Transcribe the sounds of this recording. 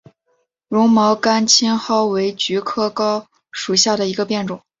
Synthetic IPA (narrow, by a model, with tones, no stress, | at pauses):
ɻʊ˧˥ŋmɑ˧˥ʊka˥nt͡ɕʰi˥nxɑ˥ʊwe˧˥ɪt͡ɕy˧˥kʰɤ˥˩kɑ˥ʊ | ʂu˨˩ɕja˥˩ɾə˩i˧˥ɡə˧pjɛ˥˩nʈ͡ʂʊ˨˩˦ŋ